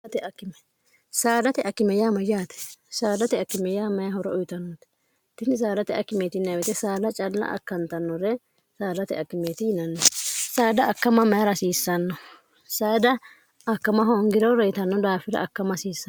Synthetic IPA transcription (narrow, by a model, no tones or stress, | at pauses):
ɐt̪ɛɐkːɪmɛ | saːd̪ɐt̪ɛʔɐkːɪmɛjaːmɐjaːt̪ɛ̥saːd̪ɐt̪ɛɐkːɪmɛjaːmɐjɐhɔɾɔʔɔjɪt̪ɐnːɔt̪ɛ̥ | t̪ːɪnɪs̬aːd̪ɐt̪ɛɐkːɪmeːt̪ɪnːɐwɛt̪ɛsaːlɐt͡ʃʼɐlːɐ̰ʔɐ̰kːɐnt̪ɐnːɔɾɛ | saːd̪ɐt̪ɛ̰ɐkːɪmeːt̪ɪjɪnɐnːɔsaːd̪ɐɐkːɐmɐmɐjɐɾɐsiːsːɐnːɔ | saːd̪ɐ | ɐkːɐmɐɦoŋɡɪɾɔɾɛjɪt̪ɐnːɔd̪aːfɪɾɐ̰ʔɐkːɐmɐsiːsɐn